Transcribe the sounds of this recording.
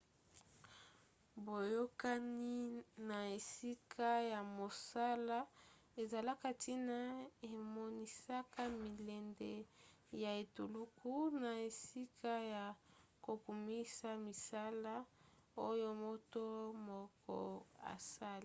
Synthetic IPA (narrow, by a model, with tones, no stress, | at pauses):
bo˨jo˦ka˦ni˦na˨e˨si˦kʰa˦ja˨mo˨sa˦la˦ | e˨za˨la˦ka˦ti˦na˦e˨mo˦ni˦sa˦ka˦mi˨le˨nde˦˨ | ja˨e˨tu˨lu˦ku˦na˨e˨si˦kʰa˦ja˨ko˨ku˨mi˦sa˦mi˨sa˦la˦o˦jo˦mo˦to˦mo˨kɔ̰˨a̰˨sa˦li˦